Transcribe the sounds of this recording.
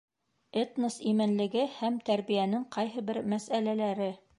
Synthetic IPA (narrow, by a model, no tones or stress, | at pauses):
et̪nɤsimɘ̆nlɘ̆ɡɘhæmt̪æɾbijænɘŋqɑjɦɤbɘɾmæsælælæɾɘ